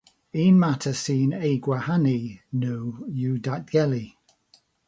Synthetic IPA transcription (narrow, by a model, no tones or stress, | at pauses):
iːnmatʰəsiːnejɡwahaninowjudadɡ̥ɛli